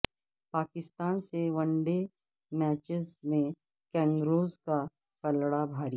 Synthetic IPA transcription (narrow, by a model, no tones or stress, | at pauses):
paːkɪst̪aːnseʋɐ̃ɳɖe | mɛːt͡ʃɪzmẽ | kɛ̃ːŋɡɾoːzka | kɐlɽabʱaːɾi